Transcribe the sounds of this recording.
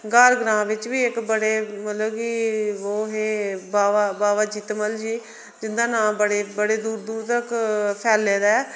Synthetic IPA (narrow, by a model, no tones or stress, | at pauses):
ɡaːɾɡɾãːʋɪt͡ʃʋiːɪkbəɽeːmət̪ləbkioːɦeːbaːʋaːbaːʋaːd͡ʒiːt̪məld͡ʒiː | d͡ʒɪnd̪ãːnãːbəɽeːbəɽeːd̪uːɾd̪uːɾt̪əɾkpʰɛːlːeːd̪aɛː